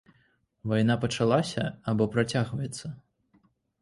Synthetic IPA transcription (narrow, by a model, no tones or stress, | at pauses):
vajn̪apɐt͡ʂalˠasʲɐabɔpɾat͡sʲaɣvɐjɛt̪sːɐ